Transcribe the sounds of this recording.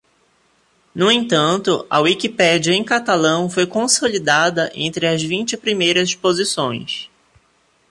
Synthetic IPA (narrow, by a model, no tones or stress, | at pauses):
nʊẽt̪ɐ̃nt̪ʊɐ̰wikipɛd͡ʒiɐẽj̃kat̪alɐ̃w̃fojkõsolid̪ad̪ɐʔḛ̃nt̪ɾɪɐzvĩnt͡ʃɪpɾimejɾɐspozisõ̰j̃s